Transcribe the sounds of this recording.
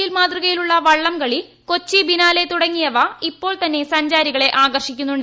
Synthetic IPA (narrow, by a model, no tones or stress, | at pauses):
ilmaːt̪ruɣɐjiluɭːɐʋɐɭːɐmɡɐɭi | ko̞t͡ɕːibinaːle̞t̪uɽɐŋːijɐʋɐipːo̞ːɭt̪ɐnːe̞sɐɲd͡ʑaːɾiɣɐɭe̞ʔaːɡɐrʂikʲːunːuɳɖ